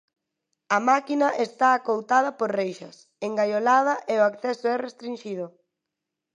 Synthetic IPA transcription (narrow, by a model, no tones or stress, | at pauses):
ɐmakinɐʔest̪aːkowt̪að̞ɐpoɾrejʃɐs | eŋɡajolað̞ɐʔeoakθɛsʊɛrest̪ɾinʃið̞ʊ